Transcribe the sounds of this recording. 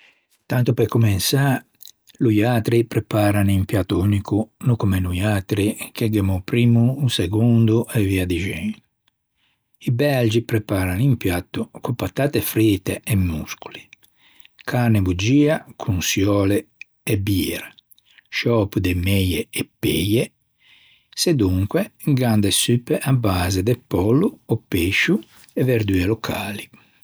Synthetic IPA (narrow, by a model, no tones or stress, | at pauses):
t̪ant̪upɛkumɛnsa | lujaːt̪ɾipɾɛpaːɾanimpjat̪ːuunikunukumɛnujat̪ɾikeɡemɔpɾiːmuːseɡund̪uʔɛviad̪iʒɛn | ibɛld͡ʒipɾɛpaːɾanimpjat̪ːukupat̪ːaːt̪efɾit̪ːeːmːusku̥li | kʰarnebud͡ʒiːakʰunsjɔːleː | biːɾa | ʃɔːpud̪emejeːpːeje | sed̪uŋkweɡand̪esypːeʔabːaːzed̪epːɔlːuɔpːeʃu | ɛveɾd̪yelokʰaːli